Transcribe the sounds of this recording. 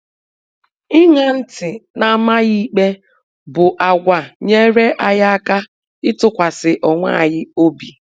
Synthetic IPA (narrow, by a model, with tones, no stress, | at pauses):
ɪ˦ŋa˨n̩˦tɪ˨na˨ma˦ɣi˦k͡pe˦ | bʊ˨ʔa˨ɡʷa˨ɲe˦ɾe˦ʔa˨ɣa˦a˦ka˦ | ɪ˦tʊ˦kʷa˨sɪ˨ʔɔ˨ŋʷa̰˦˨ɣɪ˦o˦bi˨